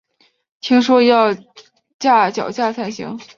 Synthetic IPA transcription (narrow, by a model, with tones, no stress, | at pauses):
t̪ʰi˧˩˥ŋʂwɔ˥jɑ˥˩˧ʊ | t͡ɕja˥˩t͡ɕjɑ˨˩ʊt͡ɕja˥˧t͡sʰa˥˩ɪɕḭ˧˥ŋ